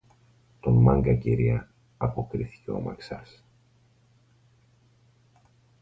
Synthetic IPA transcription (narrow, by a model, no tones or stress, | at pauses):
t̪o̞nmɐŋɡɐciɾiɐ | ɐpo̞kɾiθi̥ceomɐksɐs